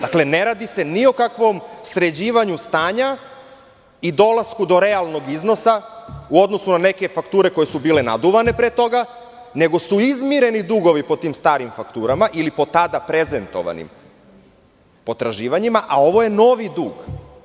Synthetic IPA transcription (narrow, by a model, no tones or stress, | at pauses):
d̪akle̞ne̞ɾaːd̪ise̞niokakʋo̞msɾe̞d͡ʑiːʋaɲust̪aːɲa | id̪o̞laskud̪o̞ɾe̞alˠno̞ɡizno̞sauo̞d̪no̞sunane̞ke̞fakt̪uːɾe̞ko̞je̞subiːle̞nad̪uʋane̞pɾet̪o̞ɡa | ne̞ɡo̞suizmiɾe̞nid̪uɡo̞ʋipo̞t̪iːmst̪aːɾimfakt̪uːɾamaʔilipo̞t̪ad̪apɾe̞zent̪o̞̰ʋa̰nḭm | po̞t̪ɾaʒiːʋaɲimaʔao̞ʋo̞je̞no̞ʋid̪uːɡ